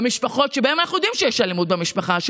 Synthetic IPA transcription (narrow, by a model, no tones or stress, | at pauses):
miʃpaχo̞t̪ʃebae̞manaχnujo̞d̪imʃejeʃlalemud̪̚bemiʃpaχaʃ